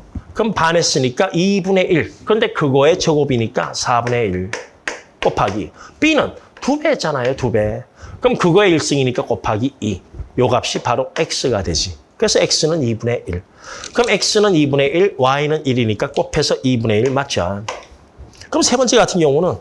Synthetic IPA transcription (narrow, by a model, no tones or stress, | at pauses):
kɯmpane̞s͈ɯɲik͈aʔibune̞ʔiɭkɯɾʌnde̞kɯɡʌe̞t͡ɕʰʌɡobiɲik͈a̰sʰabune̞iɭ | k͈opʰaɡip͈inɯntube̞t͡ɕanajotube̞kɯmkɯɡʌe̞iɭs͈ɯŋiɲik͈ak͈opʰaɡiijoɡap̚ɕ͈ipaɾoek̚s͈ɯɡadwe̞d͡ʑi | kɯɾe̞sʰʌek̚s͈ɯnɯnibune̞ʔiɭ | kɯmek̚s͈ɯnɯnibune̞ʔiɭwainɯniɾiɲik͈ak͈opʰe̞sʰʌʔibune̞iɭmat͡ɕ͈an | kɯmsʰe̞bʌnt͡ɕ͈eɡatʰɯnɡjʌŋunɯn